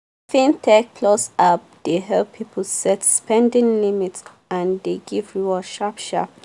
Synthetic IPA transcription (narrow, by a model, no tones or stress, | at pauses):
fĩntʰɛk̚kʰlosap̚d̥eɦɛlppʰːipʰəl̩sɛtspʰɛ̃ndĩŋlimits | ãndeɡivɹuaʃapʃa̰p̚